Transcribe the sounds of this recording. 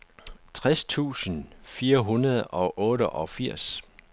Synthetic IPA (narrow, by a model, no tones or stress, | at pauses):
t͡sʰʁɛst͡sʰṵːsənfiːɐɦunɐðˠɒ̽ʔɔ̽ːɾəʔɒ̽fiɐ̰s